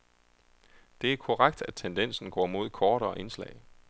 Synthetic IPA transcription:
d̥e̝æɐkʰoʁaɡ̥̚d̥æd̥̚t͡sʰend̥en̰sn̩ɡ̥ɒ̰ːmo̝ð̞̰ˠkʰɒːɾ̥ɒ̽ʔe̝nslɛ̰ɪ̰

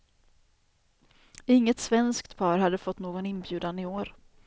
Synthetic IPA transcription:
ɪŋːət̪svɛnskt̪pʰɑːɾɦad̪ːəfɔt̪ːnoːɡɔnɪnbjʉ̟ːd̪anɪoːɾ

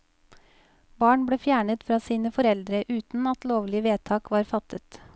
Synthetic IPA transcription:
bɑːɳbɽeːfjæːɳət̪fɾɑːsiːnəfɔɾɛld̪ɾəʔʉːt̪n̩ɑt̪loːʋlɪəʋeːt̪ʰɑːkʋɑːɾfɑt̪ʰət̪

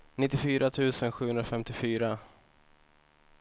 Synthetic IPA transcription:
nɪt̪ːɪfyːɾʔat̪ʰʉ̟ːsənɧʉ̟ːɵnɾafɛmt̪ɪfyːɾa

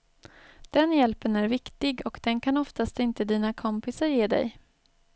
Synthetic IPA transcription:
d̪̥ɛnjɛlpənæɾvɪkt̪ɪɡɔkd̪̥ɛnkʰanɔft̪ast̪ɪnt̪əd̪iːnakʰɔmpɪsaɾjeːd̪ɛ̰j

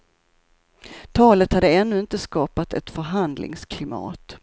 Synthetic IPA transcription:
t̪ʰɑːlət̪had̪ːəɛnːɵɪnt̪əskɑːpat̪ɛt̪fœɾɦand̪lɪ̰ŋskʰlɪmɑ̰ːt̪

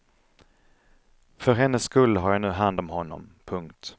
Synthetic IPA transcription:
fœɾɦɛnːəsːkɵlːɦaɾjanʉ̟ːɦand̪ɔmɦɔnːɔ̰mpʰɵŋkt̪

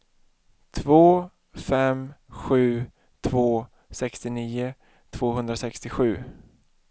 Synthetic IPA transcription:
t̪ʰvoː | fɛmɧʉ̟ː | t̪ʰvoː | sɛkst̪ɪniːʊ | t̪ʰv̥oːɦɵnd̪ɾasɛkst̪ɪɧʉ̟ː

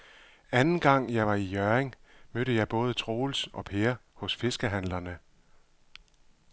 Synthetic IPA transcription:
ænn̩ɡ̥ɑ̈ŋ̰jɑ̈ɪʋɑ̈ijœɐeŋmøɾ̥əjɑ̈ɪb̥ɔ̽ːð̞ˠət͡sʰʁo̝ːlsɒ̽pʰeːɐhɔ̽sfe̝sɡ̥əɦæn̰lɐnə

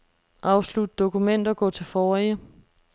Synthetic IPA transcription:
ʔɑ̈ʊslud̥əd̥o̝kʰumen̰d̥ɐɡ̥ɔ̰̽ːt͡sʰe̝lfɒːijə

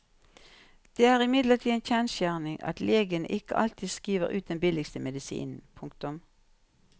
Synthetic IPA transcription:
d̪̥eːæːʁɪmɪd̪ləʁt̪ʰiːençæːnsjæːʁnɪŋʔɑ̰t̪leːɡənə̰ʔɪkə̰ʔɑ̰lt̪ʰiːskiːʋəʁʉ̰ːt̪̚d̪ɛnbɪlɪɡst̪əmɛd̪ɪsḭːnn̩pʰʊŋkt̪ʊm

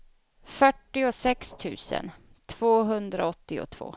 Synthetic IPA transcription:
fœʈːɪʊsɛkst̪ʰʉ̟̰ːsə̰n | t̪ʰv̥oːɦɵnd̪ɾaɔt̪ːɪʊ̰t̪ʰv̥o̰ː

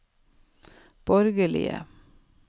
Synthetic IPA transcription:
b̥ɔɾɡəlɪ̰ə̰

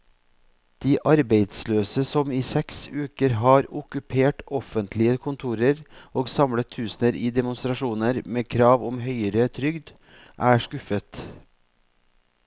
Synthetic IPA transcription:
d̪̥iːʔɑɾbeɪd̪sløːsəsɔmiːsɛksʉːkəɾɦɑːɾʊkʉpʰeːʈɔfənt̪ʰlɪəkʰʊnt̪ʰuːɾəɾoːɡsɑmlət̪ʰːʉːsnəɾiːd̪ɛmʊnst̪ɾɑʂuːnəɾmeːkʰɾɑːʋɔmɦœʏəɾət̪ʰɾʏɡd̪ | ʔæːʂkʉfət̪

